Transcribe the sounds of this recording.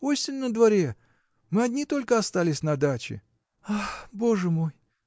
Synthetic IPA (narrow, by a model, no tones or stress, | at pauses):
osʲɪnʲːəd̪vɐɾʲe | mɨɐdʲnʲit̪o̞lʲkəɐst̪alʲɪsʲnɐd̪at͡ɕɪ̰ | axbo̞ʐɨmo̞j